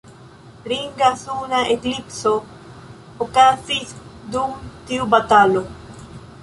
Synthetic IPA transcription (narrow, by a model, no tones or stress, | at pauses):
ɾiŋɡaθunaʔeklipso | okaθisd̪uŋt̪iubat̪alo